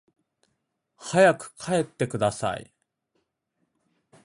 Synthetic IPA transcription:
hajakɯ̟̥kʰae̞t̪ːe̞kɯ̟d̪asa̰ḭ

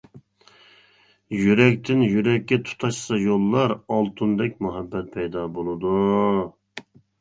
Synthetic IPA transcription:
jyɾɛk̚ʲt̪ʰɪnjyɾɛkʲːɛt̪ʰu̥t̪ʰɑʃsɑjolˠːɑɾɑlˠt̪ʰund̪ɛkʲmuɦɛbːɛt̪̚pʰɛjd̪ɑbolˠɨd̪u

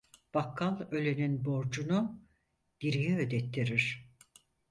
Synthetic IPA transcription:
b̥akʰːalˠø̞lʲeninbo̞ɾd͡ʒunu | d̪̥iɾijɛød̪ɛt̪ʰːiɾiɾ̥

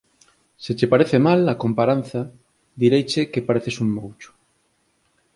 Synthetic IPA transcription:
set͡ʃepaɾeθemalakompaɾan̟θɐ | d̪iɾejt͡ʃɪkepaɾeθesuŋmowt͡ʃʊ̥

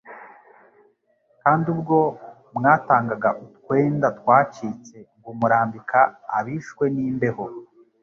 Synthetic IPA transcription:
kaːndub̚ɡo̞ | mŋaːtaːŋɡaɡaʔutkwe̞ːndatkwaːt͡ʃiːt͡se̞ŋɡumuɾaːmbikʰaːβiʃwe̞niːmbe̞ho

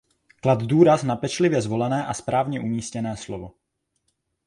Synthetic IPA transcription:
klad̪duːɾaznapɛt͡ʃlɪvjɛzvo̞lɛnɛːʔaspɾaːvɲɛʔumiːscɛnɛːslovo̞

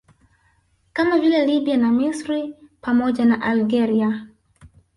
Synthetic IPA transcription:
kamavilɛliɓianamisɾipamɔʄanaʔalɡɛɾia

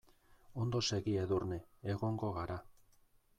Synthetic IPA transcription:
o̞nd̪o̞se̞ɣieðurneːɣo̞ŋɡo̞ɣaɾa

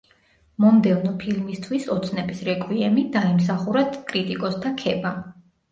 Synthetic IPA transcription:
mɔmd̪ɛvnɔpʰilmist̪ʰwisɔt̪sʰnɛbisɾɛkʼwiɛmid̪aims̬aχuɾat̪kʼɾit̪ʼikʼɔst̪ʰakʰɛba

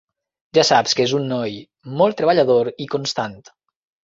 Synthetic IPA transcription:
ʒasapskezunːɔj | mɔlˠt̪ɾəβaʎaðoɾikonst̪ant̪

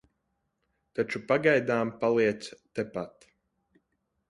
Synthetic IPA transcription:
t̪at͡ʃupaɡajd̪aːmpalˠiɛt̪st̪epat̪

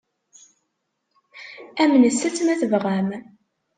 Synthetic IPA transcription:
æmnəsːæt͡sːmæθəvʁæm

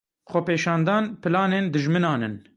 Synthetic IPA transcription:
xʷɛpeːʃɑːnd̪ɑːnpɨlɑːneːnd̪ɨʒmɨnɑːnɨn

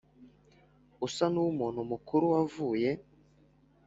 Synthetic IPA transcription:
usanuumuːnhumukʰuɾuwavuːje̞

